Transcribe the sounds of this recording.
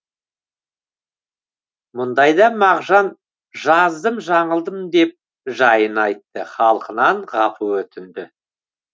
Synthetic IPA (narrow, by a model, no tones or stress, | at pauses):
mʊnd̪ɑjd̪ɑmɑʁʒɑn | ʒɑzd̪əmʒɑɴəlˠd̪əmd̪e̞p̚ | ʒɑjənɑjt̪ːəχɑlˠqənɑɴʁɑpʰəwɵt̪ɪnd̪ɪ